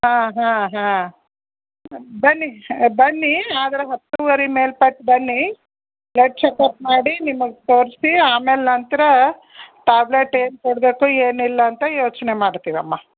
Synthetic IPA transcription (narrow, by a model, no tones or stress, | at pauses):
ɦãːɦãːɦãː | bɐnːibɐnːiaːd̪ɐɾeɦɐt̪ːuʋɐɾime̞ːlpɐʈːbɐnːi | bleʈ̚t͡ʃekɐp̚maːɽinimɐɡet̪o̞ːɾsiaːmeːlnɐnt̪ɐɾɐ | ʈaːbleʈːeːnkoɽbe̞ːkueːnilːɐːnt̪ɐjoːt͡ʃnemaːɽt̪iːʋɐmːɐ